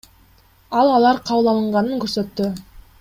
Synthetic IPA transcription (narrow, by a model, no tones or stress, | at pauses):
ɑlˠɑlˠɑɾqʰɑwəlˠɑlˠəɴʁɑnəŋkʲʰɵɾse̞t̪ːɪ